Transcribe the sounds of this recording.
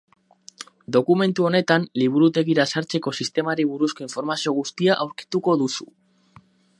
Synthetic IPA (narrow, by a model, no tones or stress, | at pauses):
d̪o̞kume̞nt̪uo̞ne̞t̪anliβ̞uɾut̪e̞ɣiɾasaɾt͡se̞ko̞sist̪e̞maɾiβuɾusko̞iɱfo̞ɾmasio̞ɣ̞ust̪iaʔawɾki̥t̪uko̞ðusu